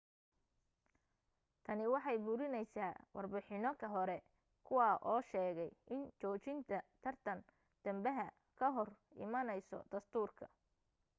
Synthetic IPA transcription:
t̪ʰɐnɪwɑħɑjbʊɾɪnɛjsaːwɑrbɪħɪnɔkʰɐɦɔɾɛ | kʰʊwɑːʔɔːʃɛːɣɛjʔɪnt͡ʃɔːt͡ʃɪnt̪ʰɐt̪ʰɐrt̪ʰɐn | d̪̥ɐmbɐɦɐ | kʰɐɦɔrɪ̰mɐnɛjsɔ̰d̪̥ɐst̪ʰuːrkʰɐ̰

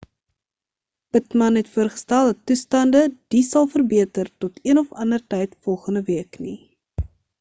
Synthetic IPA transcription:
b̥ətmɐnɦɛtfuərχə̥stælˠdɐtːustɐndəd̥isɐlˠfərbiətərtɔtʰiənɔfɐndərtɛjtfɔlˠχəndəviəkni

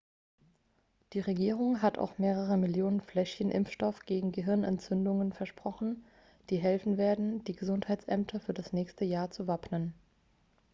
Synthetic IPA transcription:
d̥iːʁeɡiːʁ̞ʊŋɦatʰa̰ʊxmeːʁ̞əʁ̞əmɪljoːnənflɛʃçənʔɪ̰mfʃtɔfɡ̥eːɡŋ̩ɡəɦɪɐnɛnt͡sʏndʊŋənfɛɐʃpʁ̥ɔχn̩ | d̥iːɦɛlfn̩veːɐdn̩d̥iːɡəzʊnthaɪtt͡sʔɛmtʰɐfyːɐdasnɛːçstəjaːɐt͡suvapnən

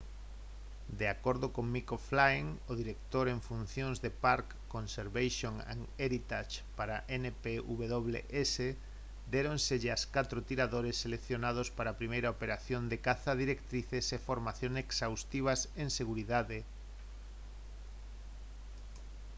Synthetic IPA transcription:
d̪eakoɾðokoŋmikoflajŋoðiɾekt̪oɾeɱfun̟θjonzðepaɾkːõnseɾβajsjoŋḛŋeɾit̪at͡ʃpaɾaʔenepeuβeðoβlḛʔese | d̪eɾõnseʎeaskat̪ɾot̪iɾaðoɾesːelekθjonað̞ospaɾaːpɾimejɾaopeɾaθjond̪ekaθaðiɾekt̪ɾiθesefoɾmaθjoŋeksawst̪iβ̞asẽŋseɣuɾiðaðe

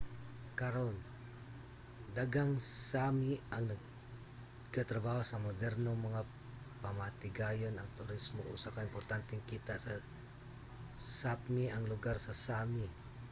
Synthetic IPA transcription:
kaɾon | d̪aɡaŋsamiaŋnə | ɡat̪ɾabawasamod̪ɛrnomaŋa | pamat̪iɡajənaŋt̪uɾismoṵsakaimpɔrt̪ant̪ɛŋkit̪asa | sapmiaŋluɡarsasami

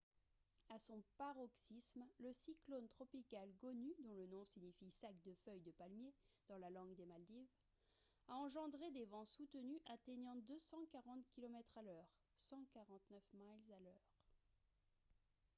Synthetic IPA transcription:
asɔ̃paʁɔksismləsiklont̪χɔpikalɡɔnyd̪ɔ̃lənɔ̃siɲifisakd̪əfœjd̪əpalmjed̪̥ɑ̃lalɑ̃ɡd̪emald̪iv | aɑ̃ʒɑ̃d̪ʁed̪evɑ̃sut̪ənyʔat̪eɲɑ̃d̪øsɑ̃kaʁɑ̃t̪kʲilɔmɛt̪χalœːʁ | sɑ̃kaʁɑ̃t̪nœfmalzalœːʁ

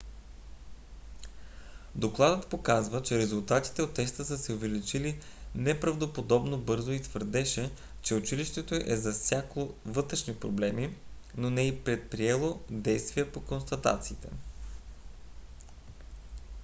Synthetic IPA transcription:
d̪oklˠad̪ət̪pokazvət͡ʃɛɾɛzulˠt̪at̪i̥t̪ɛot̪ːɛst̪əsəsɛovɛlit͡ʃili | nɛpɾɐvd̪opod̪ɔbnobɤɾzoit̪vəɾd̪ɛʃɛ | t͡ʃɛʊt͡ʃiliʃt̪ɛt̪oʔɛzɐfsʲjakovɤt̪ɾɛʃnipɾoblɛmi | nonɛipɾɛt̪̚pɾiɛlˠod̪ɛjst̪viɛpokonst̪ɐt̪a̰t̪siːt̪ɛ

